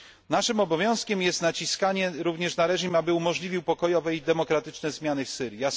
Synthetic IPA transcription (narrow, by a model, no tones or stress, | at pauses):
naʂɘmɔbɔvʲjɔ̃w̃skʲɛmjɛst̪nat͡ɕiskaɲɛɾuvɲɛʂnaɾɛʐimabɘumɔʐlʲivʲiwpɔkɔjɔvɛid̪ɛmɔkɾat̪ɘt͡ʂnɛzmʲjanɘfsɘɾʲjja